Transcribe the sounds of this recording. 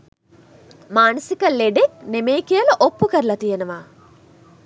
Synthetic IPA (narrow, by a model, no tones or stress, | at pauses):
maːnɐsikɐlːeɖeknemeːkijɐlɐʔopːukɐɾlɐt̪ijenuʋaː